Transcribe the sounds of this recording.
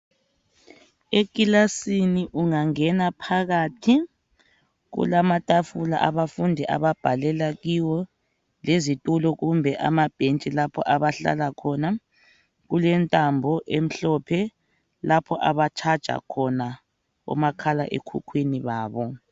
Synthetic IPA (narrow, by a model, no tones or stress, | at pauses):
ek̬ʼilasiniʔuŋaŋɛnapʰaɣatʰi | ɣṵlamatʼafula̰ʔaβafundʱɛʔa̰βab̥ʱalɛlaɣiwɔ | lezitʼulɔɣumbʱɛʔa̰mab̥ʱent͡ʃʼilapʰɔ̰ʔaβaɬa̰lakʰɔna | ɣulɛntʼambʱɔʔem̩ɬɔpʰɛ | lapʰɔʔaβat͡ʃʰad̥ʒ̥ʱa̰kʰɔna | ɔ̰makʰala̰ʔḛkʰṵkʰwiniβaːβɔ